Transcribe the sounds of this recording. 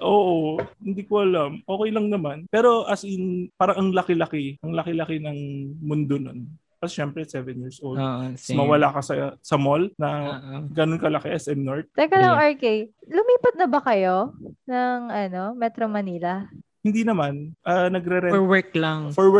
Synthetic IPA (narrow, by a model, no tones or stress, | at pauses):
ʔoːʔohɪnd̪ikoʔɐlamʔoːkɛjlɐŋnɐmanpɛːɾo̞ʔɐsɪnpaːɾɐŋɐŋlɐkɪlɐkɪʔɐŋlɐkɪlɐkɪnɐŋmʊnd̪ono̞̰n | pɐsʃɛmpɾɛsɛvɛnjiːɹsʔowld̪ʔmɐwɐlakɐsɐsɐmolnɐɡɐnonkɐlɐkɛʔɛsʔɛmnoɹt̪̚t̪ɐkɐlɐŋɐɹkejlʊmiːpɐt̪̚nɐbɐkɐjo̞nɐŋʔɐno̞mɛt̪ɾomɐniːlɐ | hɪnd̪inɐmanʔɐnɐɡɾɛɾɛwɛklaŋfɔɹwɛ